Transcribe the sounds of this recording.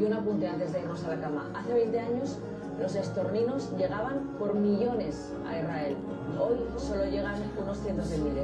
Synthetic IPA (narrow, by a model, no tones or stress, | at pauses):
unapunt̪e̞ant̪e̞zðe̞iɾno̞salakama̰ʔaθe̞β̞e̞jnt̪e̞aɲo̞s | lo̞s̬e̞st̪o̞ɾnino̞zʝe̞ɣ̞aβ̞ampo̞ɾmiʝo̞ne̞s | a̰israe̞l | o̞jso̞lo̞ʝe̞ɣ̞anuno̞sθjent̪o̞zðemile